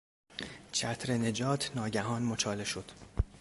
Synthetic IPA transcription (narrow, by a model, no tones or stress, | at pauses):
t͡ʃʰæt̪ʰɾe̞ne̞d͡ʒɒːt̪ʰnɒːɟæɦɒːnmot͡ʃʰɒːle̞ʃo̞d̪̥